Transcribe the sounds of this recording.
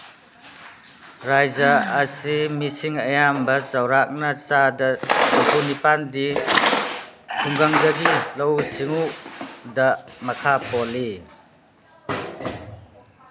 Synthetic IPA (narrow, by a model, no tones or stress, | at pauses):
ɾajzaːsimisiŋɐjambɐt͡ʃawɾak̚nɐt͡ʃadɐsupunipandi | tʰuŋɡaŋdɐɡilɐwsiŋudɐmɐkʰapɔli